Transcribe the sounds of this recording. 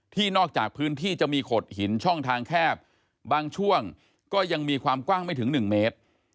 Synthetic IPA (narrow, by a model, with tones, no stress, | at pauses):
t̪ʰiː˥˩nɔː˥˩k̚t͡ɕaː˨˩k̚pʰɯː˦˥nt̪ʰiː˥˩t͡ɕa˨˩miː˧kʰo˨˩t̪̚hi˩˦nt͡ɕʰɔ˥˩ŋt̪ʰaː˧ŋkʰɛː˥˩p̚ | baː˧ŋt͡ɕʰu˥˩əŋ | kɔː˥˩ja˧ŋmiː˧kʰwaː˧mkwaː˥˩ŋma˥˩jt̪ʰɯ˩˦ŋnɯ˨˩ŋmeː˦˥t̪̚